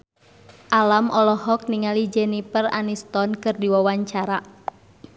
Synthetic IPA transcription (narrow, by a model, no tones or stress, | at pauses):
ʔalamʔɔlɔhɔk̚niŋalid͡ʒɛnipəra̰nist̪ɔnkɨrdiwawaɲt͡ʃaɾa